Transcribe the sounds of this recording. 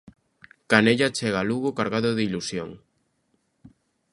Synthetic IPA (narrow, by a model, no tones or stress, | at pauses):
kaneʎat͡ʃeɣaluɣʊkaɾɣaðʊðɪilusjo̰ŋ